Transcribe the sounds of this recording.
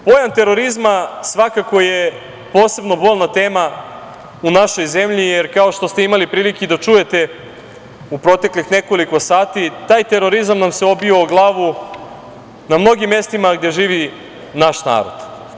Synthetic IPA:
po̞jant̪e̞ɾo̞ɾizmasʋakako̞je̞ | poːse̞bno̞bo̞ʎnat̪e̞ːma | unaʃo̞jze̞mʎijeɾkao̞ʃt̪ost̪e̞imalipɾiːlikid̪at͡ʃuje̞t̪e̞ | upɾo̞t̪e̞klixne̞ko̞liko̞saːt̪it̪aːjt̪e̞ɾo̞ɾizamnamseo̞bio̞ɡlˠaːʋu | namno̞ɡimje̞st̪imaɡd̪e̞ʒiːʋi | naʃna̰ːɾo̞̰d̪̥

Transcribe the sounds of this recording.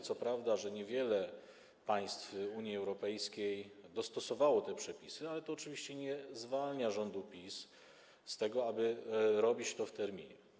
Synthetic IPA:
t̪sɔpɾavd̪aʐɛɲɛvʲjɛlɛ | paj̃st̪fuɲjiɛwɾɔpɛjskʲejd̪ɔst̪ɔsɔvawɔt̪ɛpʂɛpʲisɘalɛt̪ɔːt͡ʂɘvʲiɕt͡ɕɛɲɛzvalɲaʐɔnd̪upʲis | st̪ɛɡɔabɘɾɔbʲit͡ɕt̪ɔft̪ɛɾmʲḭɲɛ

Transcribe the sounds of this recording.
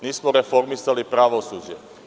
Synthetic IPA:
niːsmoɾe̞fo̞ɾmisalipɾaʋo̞suːd͡ʑe

